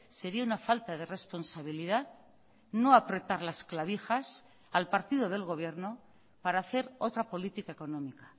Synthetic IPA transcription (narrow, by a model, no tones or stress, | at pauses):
se̞ɾiaunafalt̪aðe̞re̞spo̞nsaβ̞iliðað | no̞apɾe̞t̪aɾlasklaβixas | alpaɾt̪iðo̞ð̞e̞lɣo̞β̞je̞ɾno | paɾaːθe̞ɾo̞t̪ɾapo̞lit̪ikae̞ko̞nõ̞mikḁ